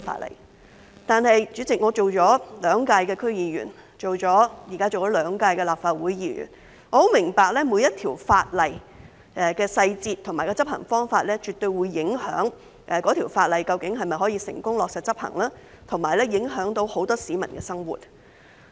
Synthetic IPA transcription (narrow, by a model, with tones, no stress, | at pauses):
fa̰ː˧t̚lɐ̰˨˩j | t̪aː˨˧nhɐ˨jt͡ʃyː˨˥t͡sɪ˨k̚ŋɔː˨˧t͡ʃo˨wt͡ʃɔː˨˥lœː˨˧˥ŋkaː˧jkɛː˧kʰɵ˥ɥjiː˨˧ɥy̰ː˨˩n | t͡ʃo˨wt͡ʃɔː˨˥jiː˨˩kaː˥t͡ʃo˨wt͡ʃɔː˨˥lœː˨˧ŋkaː˧jkɛ˧laː˨pfaː˧t̚wuː˨˥jjiː˧˥ɥy̰ː˨˩n | ŋɔ˨˧ho˨˥wmɪ˨˩ŋpaː˨˧k̚lɛː˥muː˨˧jɐ˥t̚t̪ʰiː˨˩wfaː˧t̚lɐ˨j | ʔɛ˨kɛː˧sɐ˧jt͡siː˧t̪ʰʊ˨˩maː˨˩kɔ˧t͡sɐ˥p̚hɐ̰˨˩ŋfɔː˥ŋfaː˧t̚lɛː˥t͡ʃyː˨t̪ɵ˧ɥwuː˨˧jːɪ˨˥ŋhœː˨˥ŋ | ʔɛ˨kɔː˨˥t̪ʰiː˨˩wfaː˧t̚lɐ˨jkɐ˧wkɪ˨˥ŋɦɐ˨jmɐ˨jɦɔː˨˥jiː˧sɪ̰˨˩ŋkʊ˥ŋlɔː˨k̚sɐ˨t̚t͡sɐ˥p̚hɐ̰˨˩ŋlaː˥ | t̪ʰʊ˨˩ŋmaː˨˩jlɛː˥jɪ˨˥ŋɦœː˨˥ŋt̪o˨˥who˨˥wt̪ɔː˥siː˨˥mɐ˨˩nkɛː˧sɐ˥ŋwṵ˨t̚